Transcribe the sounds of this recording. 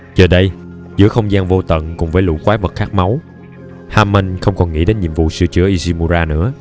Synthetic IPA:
t͡ɕəː˨˩ɗə˧j | zɨ̰˧˥əxə˧wŋ͡mzaː˧nvo˧t̪ə̰˧˨nkʊ˨˩ŋ͡mvəː˨˦lṵ˧˥kwaː˨˦və˨˩t̚xaː˦˥k̚ma˨˦w | haː˧mə˧nxə˧wŋ͡mkɔ˨˩nŋḭ˧˥ɗe˨˦nɲḭ˧˨əmvṵ˧˨sɨ̰˧t͡ɕɨ̰˧˥əʔi˧zi˧mu˧zaː˧nɨ̰˧˥ə

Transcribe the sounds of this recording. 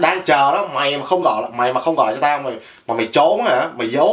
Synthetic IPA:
ɗaː˧ŋt͡ɕəː˨˩ɗɔ˨˦ma˨˩jmaː˨˩xə˧wŋ͡mɣɔ̰˧˨jlma˨˩jmaː˨˩xə˧wŋ͡mɣɔ̰˧˨jt͡ɕɔ˧t̪aː˧wma˨˩j | maː˨˩ma˨˩jt͡ɕo˨˦˨aː˧˨˧ma˨˩jzə˨˦

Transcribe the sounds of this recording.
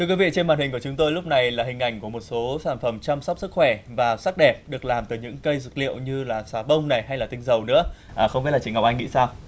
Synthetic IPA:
t̪ʰɨ˧əkwi˨˦vḭ˧˨t͡ɕe˧nmɓaː˨˩nhï˨˩kət͡ɕʊ˨˦ŋ͡mt̪o˧jlʊ˦˥k͡p̚na˨˩jlaː˨˩ɦï˨˩ŋ̟ʔa˧˩jŋ̟ku˧˩əmo˨˩t̚so˨˦saː˧˩nfə˧˩mt͡ɕa˧msa˦˥k͡p̚sɨ˦˥k̚xwɛ˧˩vaː˨˩sa˦˥k̚ɗɛ˨˩p̚ɗɨ˨˩ək̚laː˨˩mt̪ɨː˨˩ɲɨ̰˧˥ŋkə˧jzɨ˨˩k̚lḭ˧˨əwɲɨ˧laː˨˩saː˨˦ɓə˧wŋ͡mna˨˩jɦa˧jlaː˨˩t̪ï˧ŋzə˨˩wnɨ̰˧˥ə | ʔəː˨˩xə˧ŋ͡mmi˦˥t̚laː˨˩t͡ɕŋɔ˨˩w̚ʔa˧ŋḭ˧˥saː˧w

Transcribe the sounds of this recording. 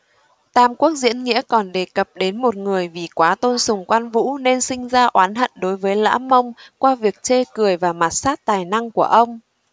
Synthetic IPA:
t̪aː˧mku˦˥ək̚zḭ˧˥ənŋḭ˧˥əkɔ˨˩nɗe˨˩kə˨˩p̚ɗe˨˦nmo˨˩t̚ŋɨ˨˩əjvi˨˩kwaː˨˦t̪o˧nsʊ˨˩ŋ͡mkwaː˧nvṵ˧˥ne˧nsï˧ŋ̟zaː˧ʔwaː˨˦nɦə̰˧˨nɗo˨˦jvəː˨˦jla̰ː˧˥mə˧wŋ͡mkwaː˧vi˨˩ək̚t͡ɕe˧kɨ˨˩əjvaː˨˩ma˨˩t̚saː˦˥t̚t̪aː˨˩jna˧ŋku˧˩əʔə˧wŋ͡m

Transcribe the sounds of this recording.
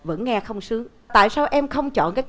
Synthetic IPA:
və̰˧˥nŋɛ˧xə˧wŋ͡msɨ˨˦əŋ | t̪a̰ː˧˨jsaː˧wʔɛ˧mxə˧wŋ͡mt͡ɕɔ̰˧˨nkaː˨˦jt̪

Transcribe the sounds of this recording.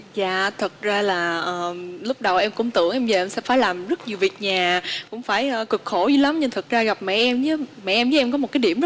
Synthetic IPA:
zaː˧˨t̪ʰɨ˨˩t̚zaː˧laː˨˩ʔəː˨˩lʊ˦˥k͡p̚ɗə˨˩wʔɛ˧mkʊ˧˥ŋ͡mt̪ɨ̰˧˩əŋʔɛ˧mvjə˨˩ʔɛ˧sɛ̰˧˥faː˧˦jlaː˨˩mzə˦˥t̚ɲi˨˩əwvi˨˩ət̚ɲaː˨˩kʊ̰˧˥ŋ͡mfaː˧˩jʔəː˨˩kɨ˨˩k̚xo˧˩zi˧la˨˦mɲɨ˧ŋt̪ʰɨ˨˩t̚zaː˧ɣa˨˩p̚mɛ̰˧˨ʔɛ˧mt͡ɕɨ˨˦mɛ̰˧˨ʔɛ˧mzɨː˨˦ʔɛ˧mkɔ˨˦m̚˨˩kːaː˨˦jɗi˧˩əmz

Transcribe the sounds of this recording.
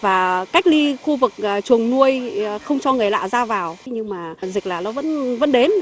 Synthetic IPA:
vaː˨˩ka˦˥jk̚li˧xu˧vɨ˨˩k̚ːt͡ɕu˨˩əŋnu˧əjxə˧wŋ͡mt͡ɕɔ˧ŋɨ˨˩əjla̰ː˧˨wzaː˧vaː˨˩wɲɨ˧ŋmaː˨˩zi˨˩k̚laː˨˩nɔ˨˦və̰˧˥nvə̰˧˥nɗe˨˦n

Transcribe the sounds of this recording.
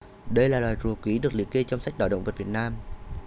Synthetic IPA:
ɗə˧jlaː˨˩laː˨˩jzu˨˩kwi˨˦ɗɨ˨˩ək̚lḭ˧˨əke˧t͡ɕɔ˧wŋ͡msa˦˥k̟̚ɗa̰ː˧˩ɗə̰˧˨wŋ͡mvə˨˩vi˨˩ət̚naː˧m

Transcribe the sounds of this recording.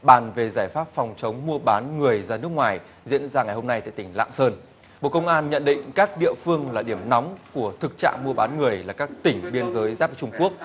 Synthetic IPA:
ɓaː˧˩nve˨˩zaː˧˩jfaː˦˥p̚fɔ˨˩wŋ͡mt͡ɕə˨˦wŋ͡mmu˧əɓaː˨˦nŋɨ˨˩əjzaː˧˩nɨ˦˥ək̚ŋwaː˨˩j | zḭ˧˥ənzaː˧ŋa˨˩jho˧mna˧jt̪a̰˧˨jt̪ï˧˩ŋ̟la̰ː˧˨ŋsəː˧n | ɓo̰˧˨kə˧wŋ͡mʔaː˧nɲə̰˧˨nɗḭ̈˧˨ŋ̟kaː˦˥k̚ɗḭ˧˨əfɨ˧əŋlaː˨˩ɗi˧˩əmnɔ˨˦wŋ͡mku˧˩ət̪ʰɨ˨˩k̚t͡ɕa̰ː˧˨ŋmu˧əɓaː˨˦nŋɨ˨˩əjlaː˨˩kaː˦˥k̚t̪ï˧˩ŋ̟ɓi˧ənzəː˨˦jzaː˦˥p̚vəː˨˦t͡ɕʊ˧ŋ͡mku˦˥ək̚

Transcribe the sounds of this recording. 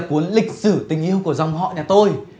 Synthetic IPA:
ku˨˦ənlï˨˩k̟̚sɨ˧˩t̪ï˨˩ŋ̟ʔi˧əwku˧˩əza˨˩wŋ͡mɦɔ̰˧˨ɲaː˨˩t̪o˧j

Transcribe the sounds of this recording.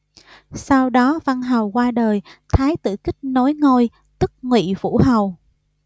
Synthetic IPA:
sa˧wɗɔ˨˦va˧nɦa˨˩wkwaː˧ɗəː˨˩jt̪ʰaː˨˦jt̪ɨ̰˧˨kï˦˥k̟̚no˨˦jŋo˧j | t̪ɨ˦˥k̚ŋwḭ˧˨vṵ˧˥ɦa˨˩w

